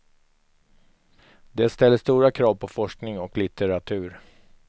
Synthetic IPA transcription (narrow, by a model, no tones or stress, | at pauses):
d̪ɛst̪ɛlːəst̪uːɾakʰɾɑːvpʰɔfɔʂknɪŋɔklɪt̪ɛɾat̪ʰʉ̟ːɾ